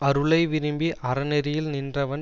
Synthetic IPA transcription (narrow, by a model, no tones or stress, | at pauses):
ɐɾɯɭɐɪʋɪɾɯmbiʔɐɾɐnɛɾɪjɪlnɪndrɐʋɐn